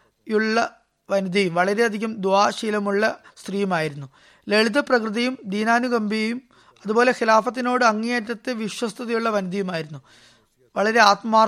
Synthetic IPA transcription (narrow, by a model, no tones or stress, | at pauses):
juɭːɐ | ʋɐnud̪ʱɐjumʋɐɭɐɾe̞ɐd̪ʱiɣumd̪uaːɕiːlɐmuɭːɐst̪rijumaːjiɾunːu | leɭd̪ɐprɐkrɨðɐjumd̪iːnaːnuɡɐmbijejum | ɐðubo̞ːle̞xilaːfɐt̪ːino̞ːɽɨɐŋːeːɾɐt̪ːeʋiʂwɐst̪ʰɐðɐjuɭːɐʋɐnud̪ɐjumaːjiɾunːu | ʋɐɭɐɾe̞aːt̪maː